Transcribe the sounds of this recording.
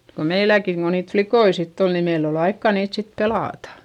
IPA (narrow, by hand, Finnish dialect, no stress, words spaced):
ko meilækiŋ ko niːt flikoi sitː ol ni meil ol ɑikːɑˑ niːt sit pelɑˑtɑ̥